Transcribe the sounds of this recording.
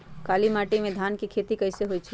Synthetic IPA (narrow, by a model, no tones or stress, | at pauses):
kalimaʈimẽd̪ʱankekʰet̪ikəɪseɦojt͡ʃʰ